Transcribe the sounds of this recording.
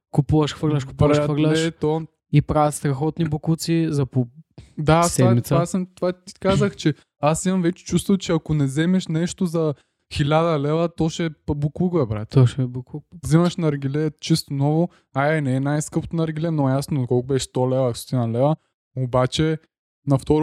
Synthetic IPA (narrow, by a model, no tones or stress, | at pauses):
kʊpuvɐʃxvəɾlʲɐʃkʊ̥pɾaʃfəɾlʲʃɛtt̪ɔ | ipɾavʲət̪st̪ɾɐxɔt̪nibukut̪sizɐpod̪asɛamit̪sasmt̪ovat̪i̥kazəxt͡ʃɛ | asimɐmvɛt͡ʃɛ̥t͡ʃust̪vɐt͡ʃɛɐkonɛzɛmɛʃnɛʃt̪ozɐ | xilʲad̪ɐlɛvɐt̪ɔʃɛpbukukɛbɾa̰t̪ɔʃɛbukzimɐʃnɐɾɡʲilɛt͡ʃist̪onɔvo | aɛnɛɛnajskɤpot̪onɐɾɡʲilɛnojasnot̪kɔlˠkʊbɛʃst̪ɔlɛvɐso̥t̪inɐlɛvɐ | obat͡ʃɛ | nɐft̪ɔɾ